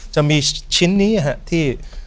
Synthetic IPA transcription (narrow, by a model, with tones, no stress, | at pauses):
t͡ɕa˧mi˧t͡ɕʰi˥nːi˦aɦa˧ʔt̪ʰiəʔ